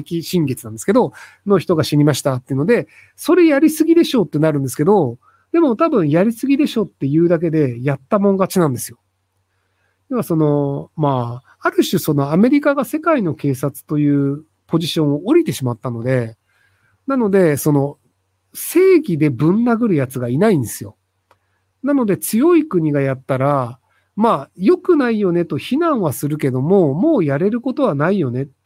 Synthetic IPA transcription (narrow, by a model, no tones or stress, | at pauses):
kʲiɕĩŋɡe̞t͡sɨnãnd̪esɨ̥ke̞d̪o̞ | no̞çi̥t̪o̞ɡaɕiɲ̟ʲimaɕi̥t̪at̪ːeɯno̞d̪e̞ | so̞ɾe̞jaɾʲisɨɡʲid̪e̞ɕo̞ːt̪ːe̞naɾɯ̟̃nd̪e̞sɨ̥ke̞d̪o̞ | d̪̥e̞mo̞t̪abɯ̟̃ɰ̃jaɾʲisɨɡʲid̪e̞ɕo̞ːt̪ːe̞jɯ̟ːd̪ak̬e̞d̪e̞jat̪ːamõ̞ŋɡat͡ɕinãnd̪e̞sɨjo̞ | d̪eβaso̞no̞maː | aɾɯ̟ɕɨso̞no̞ame̞ɾʲikaɡase̞kaino̞ke̞ːsat͡sɨ̥t̪o̞jɯ̟ː | po̞ʑiɕõ̞ɰ̃ooɾʲit̪e̞ɕimat̪ːano̞d̪e̞ | nano̞d̪e̞so̞no̞ | se̞ːɡʲid̪e̞bɯ̟̃nːaɡɯ̟ɾɯ̟jat͡sɨɡainaĩnd̪esɨjo̞ | nano̞d̪e̞t͡sɨjo̞ikɯ̟ɲ̟iɡajat̪ːaɾa | maːjo̞kɯ̟naijo̞ne̞t̪o̞çinãɰ̃β̞asɨɾɯ̟ke̞d̪o̞mo̞mo̞ːjaɾe̞ɾɯ̟ko̞t̪o̞β̞anaijo̞ne̞